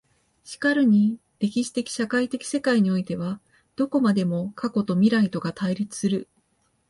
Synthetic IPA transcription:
ɕi̥kaɾɯ̟ɲ̟i | ɾe̞kʲiɕi̥t̪e̞kʲi̥ɕakait̪e̞kʲi̥se̞kaiɲ̟io̞it̪e̞β̞a | d̪̥o̞ko̞mad̪e̞mo̞kʰako̞t̪o̞mʲiɾait̪o̞ɡat̪aiɾʲit͡sɨ̥sɨɾɯ̟

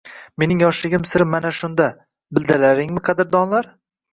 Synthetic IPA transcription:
me̞nɪŋjɒʃlɪɡʲɪmsɪɾɪmːanaʃʊnd̪a | bɪld̪ɪɾlaɾɪŋmɪqʰɑd̪ɪɾd̪ɒnlaɾ

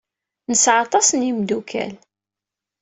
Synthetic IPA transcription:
nəsʕɑt̪ˤɑsənimd̪ukʰæ̰l

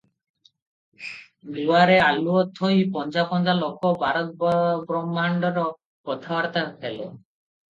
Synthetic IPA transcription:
d̪uaɾealuɔt̪ʰojpɔnt͡ʃakɔnd͡ʒalokɔbʱaɾɔt̪̚bbɾɔmaɳɖɔɾɔ | pɔt̪ʰawaɾt̪akelo̰

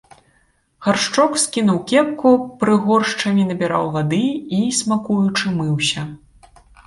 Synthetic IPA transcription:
ɣarʂt͡ʂɔkskʲinuwkʲɛp̚kupɾɨɣɔrʂt͡ʂɐmʲinɐbʲiɾa̰wvad̪ɨismakujut͡ʂɨmɨwsʲɐ

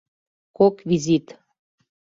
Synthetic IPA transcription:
kokvizit̪

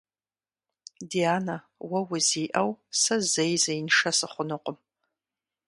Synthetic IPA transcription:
diaːnɐ | wɐwɪziːʔɐwsɐzejzɐjnʂɐsɨχʷʊnɨqʷʊm

